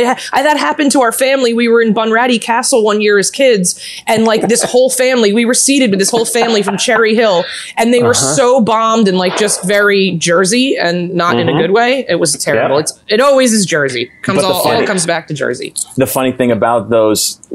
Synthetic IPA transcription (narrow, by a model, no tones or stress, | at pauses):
ɪʔaɪðɨt̚ɦæpɨ̃ntʰəaʊə˞fæ̃mliwiwə˞ɨ̃nbɑ̃nɹæɾikʰæsl̩ˠwʌ̃njɪɹɨz̥kʰɪdz | ɨ̃nlaɪk̚ðɪshoʊlˠfæ̃mliwiwə˞siɾɨd̚wɨðɪshoʊlˠfæ̃mlifɹʌ̃mt͡ʃʰɛɹiɦɪlˠ | ɨ̃nðeɪwə˞soʊbɑ̃mdɨ̃nlaɪk̚d̥ʒ̥ʌstvɛɹid͡ʒɜ˞ziɨ̃nːəɾɨ̰̃nɨɡʊd̚weɪɪt̚wʌztʰɛɹɨbl̩ˠɨtsɨɾɔlˠwizɨzd͡ʒɜ˞zḭkʰʌ̃mzlˠɔlˠkʰʌ̃mzbæk̚tʰɨd͡ʒɜ̰˞zḭðɨfʌniθɪ̃ŋɨbaʊt̪̚ðoʊz̥